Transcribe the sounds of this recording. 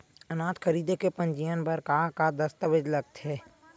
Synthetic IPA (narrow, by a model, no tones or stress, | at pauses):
ənaːt̪kʰəɾiːd̪ekepə̃nd͡ʒijənpəɾkakad̪əst̪əʋɪd͡ʒləɡ̚t̪ɦɛː